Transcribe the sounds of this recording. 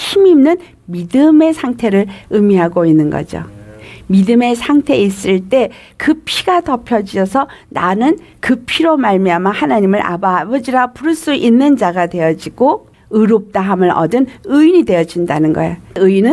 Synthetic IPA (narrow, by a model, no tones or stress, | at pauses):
çimiːmnɯn | midɯme̞sʰaŋtʰe̞ɾɯɾɯmiɦaɡoinːɯnɡʌ̰d͡ʑo̰midɯme̞sʰaŋtʰe̞is͈ɯɭt͈e̞ | kɯpʰiɡatʌpʰjʌd͡ʑiʌsʰʌnanɯnkɯpʰiɾomaɭmiamahanaɲimɯɾʔa̰baːbʌd͡ʑiɾapuɾɯɭs͈uʔinːɯnd͡ʑaɡadwe̞jʌd͡ʑiɡ̥o | ɯɾop̚t͈aɦamɯɾʌ̰dɯnɯinide̞jʌd͡ʑindanɯnɡʌ̰ḛjoɯinɯn